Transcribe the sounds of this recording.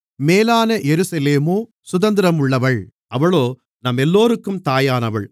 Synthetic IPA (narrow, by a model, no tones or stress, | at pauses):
meːlaːnɐjɛɾɯsɐleːmoː | sʊðɐnd̪ɪɾɐmʊɭːɐʋɐɭ | ʔɐʋɐɭoː | nɐmɛlːoːɾɯkːɯmt̪aːjaːnɐʋɐɭ